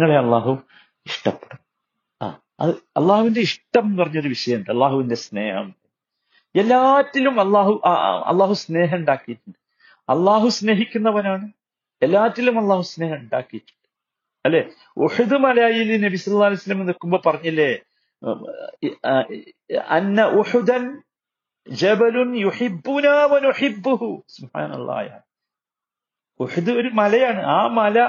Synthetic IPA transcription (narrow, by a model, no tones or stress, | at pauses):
ŋːɐɭeɐlːaːɦu | iʂʈɐpːeɽum | a̰ː | ɐ̰ðɨɐ̰lˠˤːaːhuʋindeiʂʈɐmpɐrɐɲːɐðɨʋiʂɐjɐuɳɖɨɐlːaːɦuʋinde̞sne̞ːhɐ̰m | elːaːtːilumɐlˤːaːhuʔɐ̰lːaːɦusne̞ːɦɐmuɳɖaːkːijitːuɳɖɨ | ɐ̰lˠːaːɦusne̞ːɦikʲːunːɐpɐnaːɳɨ | elːaːtːilumɐlˠˤːaːhusne̞ːɦɐmuɳɖa̰ːkːijitːu̥ɳːɨ̥ | ɐlːe | uħud̪ɨmɐlɐaːjilɨnɐbisɐlːɐlːaːlijsɐlːɐmenːokːumbo̞ːpɐrɐɲːɐlːe | ɐ̰nːɐʔuħud̪ɐn | d͡ʒɐbɐlunjuħibːunaːʋɐnuħibːuhusubħa̰ːnɐ̰lˠːa̰ːja̰ː | uħud̪ɨo̞ɾumɐlɐjaːɳɨʔaːmɐlɐ